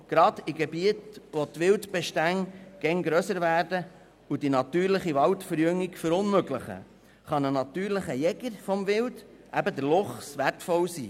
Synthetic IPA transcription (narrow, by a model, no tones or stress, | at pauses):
ɡ̥ɾɑd̪̥iɡebiətʋɔt̪ʋɪldb̥ɛʃtæŋɡ̥ɛnɡɾœsəɾvæːɾdə | ud̥inɑt̪yːɾlɪχiʋɑltfəɾjʏŋːiɡfəɾʊnmøɡlɪχə̰ | χɑnənɑt̪yːɾlɪχəjɛɡ̥əɾfɔmʋɪld | ʔæbəd̪əɾlʊχsʋærtfɔwsiː